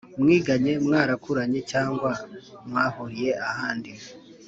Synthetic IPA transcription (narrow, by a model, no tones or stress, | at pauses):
mŋiːɡaɲe̞mŋaːɾakuɾaɲe̞caːŋɡwamŋaːhoɾije̞ahaːndi